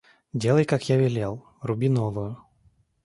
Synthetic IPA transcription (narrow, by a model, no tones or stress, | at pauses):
dʲelˠəjkakjavʲɪlʲelˠ | rʊbʲinovəjʊ